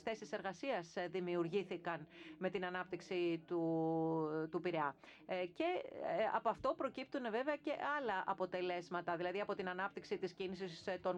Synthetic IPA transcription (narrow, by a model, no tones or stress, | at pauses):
sθe̞sise̞ɾɣɐsiɐsðimiuɾʝiθikɐnme̞t̪inɐnɐp̚t̪iksit̪u | t̪upiɾeɐ | ce̞ɐ̰po̞ɐft̪o̞pɾo̞cip̚t̪uneve̞veɐce̞ʔɐlɐʔɐpo̞t̪e̞le̞zmɐt̪ɐðilɐðiɐpo̞t̪inɐnɐpt̪iksit̪iscinisist̪o̞n